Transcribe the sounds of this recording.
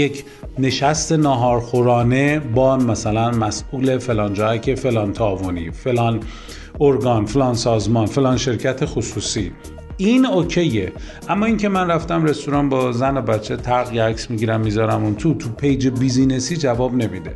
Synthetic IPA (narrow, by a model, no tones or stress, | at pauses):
jecʰ | ne̞ʃæst̪e̞nɒːɦɒːɾxoɾɒːnebɒːmæsælænmæsʔuːle̞fe̞lɒːnd͡ʒɒːhæcʰe̞fe̞lɒːnt̪ʰɒːvonḭfe̞lɒːn | oɾɡɒnfelɒːnsɒːzmɒnfe̞lɒːnʃe̞ɾcʰæt̪ʰe̞xosuːsiː | ʔinoːcʰe̞jːe | ʔæmːɒːiŋcʰe̞mænræft̪æmre̞st̪oɾɒnbɒzænobætt͡ʃʰːe̞t̪ʰæɾɣjeæksmiɟiɾæmːizɒɾæmunt̪ʰut̪ʰupʰe̞jd͡ʒebizine̞siːd͡ʒævɒːbne̞mid̪e̞̰